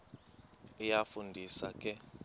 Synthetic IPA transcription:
ijafundʱisakʼɛ

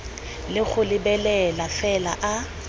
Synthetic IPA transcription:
lɪɣʊlɪbɛlɛlafɛlaʔa

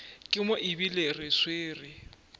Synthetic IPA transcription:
kʼɪmʊʔɪbilerɪsweːrɪ

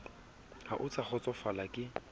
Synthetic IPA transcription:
ha̰ʔʊt͡sʼaχɔt͡sʼɔfalakʼɪ

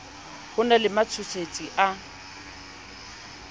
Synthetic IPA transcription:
hʊnalɪmat͡sʰʊsʰet͡sʼiʔa

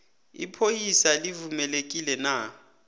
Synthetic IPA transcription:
ḭpʰojisalivumɛlekʼilɛna

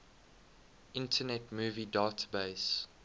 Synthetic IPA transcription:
ʔɪ̃ntʰənɛtmuːvidaːtəbeɪs

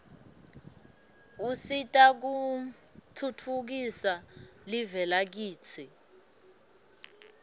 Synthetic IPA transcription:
usitʼak̬u | tʰutʰuk̬isalivɛlak̬iːt͡sʰi

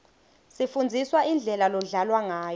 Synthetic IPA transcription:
sifund͡zʱiswaʔind͡ɮʱɛlalɔɮalwaŋaːj

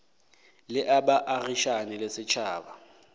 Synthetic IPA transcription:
lɪʔabaʔariʃanɪlɪsɪt͡ʃʰaːba

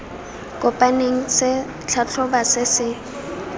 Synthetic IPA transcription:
kʼʊpʼaneŋ̩sɪ | t͡ɬʰat͡ɬʰʊbasɪsɪ

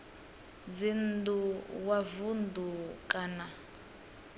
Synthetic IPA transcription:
d͡zinduwavundukʼana

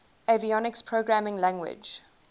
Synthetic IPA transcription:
eviɔnɪkspʰɹ̥oɡɹæmɪ̃ŋlæ̃ŋɡwɪ̰̥d͡ʒ

